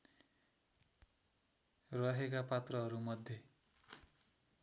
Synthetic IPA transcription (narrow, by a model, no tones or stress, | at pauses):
rʌɦekapat̪rʌɦʌɾumʌd̪ʱje